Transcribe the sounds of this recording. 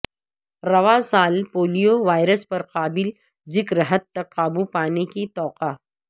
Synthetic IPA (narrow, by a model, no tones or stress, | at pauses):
ɾɐʋasaːlpoːlijoʋaːjɾəspɐɾqaːbɪl | zɪkɾəɦət̪ːɐkːaːbupaːnekit̪ɔːqaː